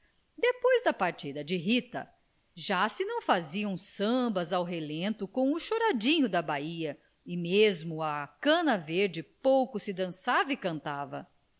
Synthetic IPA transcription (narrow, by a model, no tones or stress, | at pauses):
d̪epojzd̪ɐpaɾt͡ʃid̪ɐd͡ʒɪɦit̪ɐ̰ | ʒasɪnɐ̃w̃faziɐ̃w̃sɐ̃mbɐzawɦelẽnt̪ʊkõw̃ʊʃoɾad͡ʒĩɲʊd̪ɐbaiɐ | ɪmezmʊɐkɐ̃nɐveɾd͡ʒɪpowkʊsɪd̪ɐ̃savɪkɐ̃nt̪avɐ̰